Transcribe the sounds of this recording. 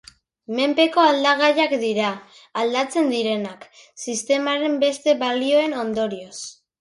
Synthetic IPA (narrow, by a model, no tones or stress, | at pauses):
me̞mpe̞ko̞ald̪aɣ̞ajakd̪iɾaː | ld̪at͡se̞nd̪iɾe̞nak | sist̪e̞maɾe̞mbe̞st̪e̞βalio̞e̞no̞nd̪o̞ɾio̞s